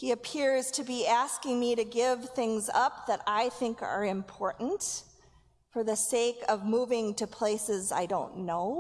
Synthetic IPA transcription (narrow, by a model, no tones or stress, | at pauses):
hiɨpʰɪɹz̥tʰɨbiæskɪ̃ŋmiɾɨɡɪv̥θɪ̃ŋzʌp̚ðɨɾaɪθɪ̃ŋkə̰˞ɨ̃mpʰɔɹʔn̩t | fə˞ðɨseɪkʌvmuvɪ̃ŋtɨpʰl̥eɪsɨza̰ɪdõʊ̃nːoʊ